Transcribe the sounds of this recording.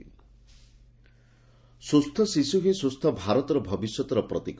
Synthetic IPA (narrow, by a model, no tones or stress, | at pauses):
sust̪ʰːɔsisuɦesust̪ʰɔbʱaɾɔt̪ɔɾɔbʱɔbisjɔt̪ɾɔpɾɔt̪ik